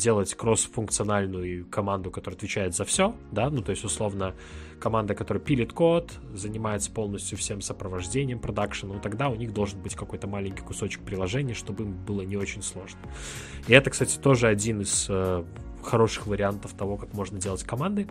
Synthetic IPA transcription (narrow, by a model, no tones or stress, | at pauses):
dʲe̞lˠətʲkɾo̞sfʊnkt̪sɨɐnalʲnʊjʊkɐmand̪ʊkɐt̪oɾəɨɐt̪vʲɪt͡ɕæjɪt̪zɐfsʲo | d̪anut̪o̞ɪsʲtʲʊslˠo̞vnə | kɐmand̪əkɐt̪o̞ɾəjəpʲilʲɪt̪ko̞t̪ | zənʲɪmajɪt̪sə̥po̞lˠnəsʲtʲjʊfsʲe̞msəpɾəvɐʐdʲenʲɪjəmpɾɐd̪akʂɨnt̪ɐɡd̪aʊnʲiɣd̪o̞lˠʐɨnbɨtʲkɐko̞jt̪əmalʲɪnʲkʲɪ̥jkʊso̞t͡ɕɪ̥k̚pɾʲɪlˠɐʐɛnʲɪjʂt̪o̞bɨimbɨlˠənʲɪo̞t͡ɕɪnʲslˠo̞ʐnə | ɪɛt̪əkst̪atʲɪ̥t̪o̞ʐɨɐdʲinɨsə | xɐɾo̞ʂɨ̥xvəɾʲɪant̪əft̪ɐvo̞kakmo̞ʐnədʲe̞lˠətʲkɐmand̪ɨ